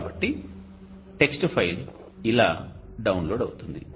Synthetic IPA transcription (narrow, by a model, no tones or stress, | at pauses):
bɐʈːi | ʈe̞ksʈupʰɐjɾ | ila̰ː | ɖɐwunloːɖɐwut̪und̪ḭ